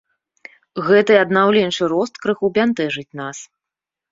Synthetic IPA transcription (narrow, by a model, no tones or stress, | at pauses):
ɣɛt̪ɨɐd̪nawlʲɛnʂɨɾɔst̪kɾɨxubʲant̪ɛʐɨt͡sʲnas